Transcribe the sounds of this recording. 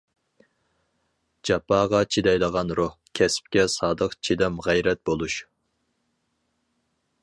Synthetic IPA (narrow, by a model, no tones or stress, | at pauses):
d͡ʒɑpʰɑːʁɑt͡ʃʰid̪ɛjlˠəʁɑnɾohkʲʰɛsp̚kʲɛsɑːd̪əqt͡ʃʰid̪ɛmʁæjɾɛt̪̚bolˠuʃ